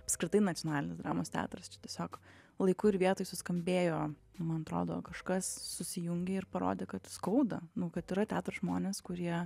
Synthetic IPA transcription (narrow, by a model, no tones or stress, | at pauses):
ɐpskɾʲɪt̪ɐɪnɐtt͡sʲonɑːlʲɪnʲeːsd̪ɾɑ̰ːmoːst̪ʲæ̰ːt̪ʊɾɐst͡ʃʲɛ̥t̪ʲiɛsʲoːk | lˠɐɪkʊːɪɾʋʲiɛt̪oːjɪsʊskɐmʲbʲeːjoː | nʊmɐnɐt̪ɾo̰ːd̪o̰ːkɐʃkɐsːʊsʲɪjʊŋʲɡʲɛɪrpɐɾo̰ːd̪ʲeːkɐt̪skɐʊd̪ɐnʊkɐt̪ɪɾɐt̪ʲæːt̪ʊɾɐsʒmoːnʲeːskʊɾʲiɛ